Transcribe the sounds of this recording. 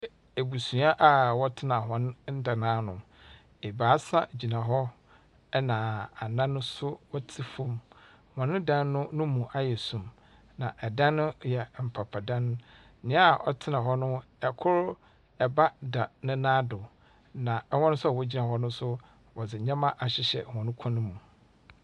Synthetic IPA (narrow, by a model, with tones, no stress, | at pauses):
e˨bu˨sũ˨a˦ʔa˨wɔ˦tʰɪ˦nã˨ɦɔ̃˦n˦n̩˦da˨nãː˨˦nʊ̰̃˨m | e˨baː˨˦sa˦d͡ʑi˨nã˨ɦɔ˦ | nã˨a˨nã˦nʊ̃˦sʊ˦wɔ˦tʰi˦fõ˦m | wɔ̃˨nɪ̃˦dã˦˨nnʊ̃˦nʊ̃˦mũ˨ʔa˦jɛ˨sũ˨m | nã˨ʔɛ˨dã˦nːʊ̃˦jɛ˨m̩˨pʰa˨pʰa˨dã˦ñ˦ | ɲɪ̃˦˨ʔɔ̰˨tʰɪ˦nã˨ɦɔ˦nʊ̃˦ | ɛ˨kʰʊ˦ɾ | ɛ˨ba˦da˨nɪ̃˦nãː˦dʊ˨ | nã˨ɛ˦wɔ̃˦nʊ̃˦sʊ˦a˨wɔ˦d͡ʑi˦nã˨hɔ˦nʊ̃˦sʊ˦ | wɔ˨d͡zɪ˨ɲã˦mã˦ʔa˨ɕɪ˨ɕɛ̰˨hɔ̃˨nʊ̃˦kʰɔ̃˦nʊ̃˦mũ˨